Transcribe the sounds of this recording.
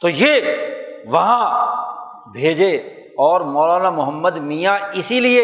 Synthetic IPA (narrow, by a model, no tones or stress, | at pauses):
t̪oːjeː | ʋɐɦã | bʱeːd͡ʒe | ɔːɾmɔːlaːnamʊɦəmːəd̪mijaɪsilie